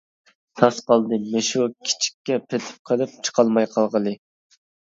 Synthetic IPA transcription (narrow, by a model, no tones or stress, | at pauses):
sɑsqɑlˠd̪ɨmɪʃukʲʰi̥t͡ʃʰi̥kʲːɛpʰɪt̪ʰɪ̥p̚qʰəlˠɨp̚t͡ʃʰə̥qʰɑlˠmɑjqʰɑlˠʁəlˠɨ